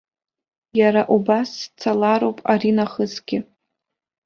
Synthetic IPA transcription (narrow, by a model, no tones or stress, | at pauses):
jaɾaʔubast͡sʰalaɾowpʼaɾinaχəzɡʲɪ